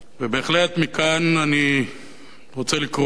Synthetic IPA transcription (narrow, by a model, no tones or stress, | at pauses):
vebeːχlet̪mikanani | ʁot͡selikʁ